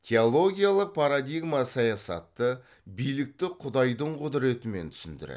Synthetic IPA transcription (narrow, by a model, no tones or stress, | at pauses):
t̪ʲʰe̞olˠo̞ɡʲijalˠəq̚pʰaɾad̪ijɡmasɑjɑsɑ̰t̪ːə | bijlɪk̚t̪ɪqʰʊd̪ɑjd̪əɴqʰʊd̪ɪɾe̞t̪ɪme̞nt̪ʰʏ̥sɪnd̪ɪ̰ɾḛ